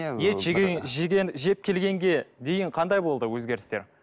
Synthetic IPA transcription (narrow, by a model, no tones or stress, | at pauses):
jeʒʒɡʲeʒe̞p̚kʲʰe̞lɡʲe̞ŋɡʲe̞d̪e̞jɪɴqʰɑnd̪ɑjbo̞lˠd̪əwɵzɡʲe̞ɾɪst̪e̞ɾ